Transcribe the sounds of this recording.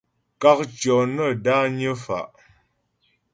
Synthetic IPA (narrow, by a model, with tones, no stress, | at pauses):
ka˦k̚t͡ʃjɔ˨nə˦˨da˦ɲə˦fa̰˨ʔ